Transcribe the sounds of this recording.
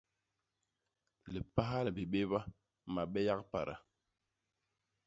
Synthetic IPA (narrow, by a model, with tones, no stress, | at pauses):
li˨pa˦ɦa˦lbi˨ɓe˦βa˦ | ma˨ɓɛ˦ja˦kpa̰˨ɾa̰˨